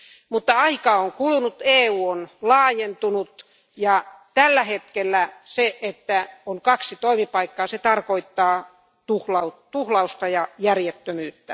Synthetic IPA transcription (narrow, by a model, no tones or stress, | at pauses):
mut̪ːɑɑikɑːoŋkulunut̪eːuːonlɑːjent̪unut̪ | jɑt̪ælːæhet̪kelːæseʔet̪ːæoŋkɑksit̪oimipɑikːɑːset̪ɑrkoit̪ːɑː | t̪uhlɑutt̪uhlɑust̪ɑjɑjærjet̪ːømyːt̪ːæ